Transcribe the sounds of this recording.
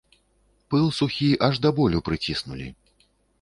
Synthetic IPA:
pɨlˠsuxʲiʔaʐd̪abɔlʲupɾɨt͡sʲisnṵlʲḭ

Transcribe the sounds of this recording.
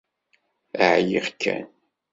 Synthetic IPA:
əʕjiʁkʰːæ̰n

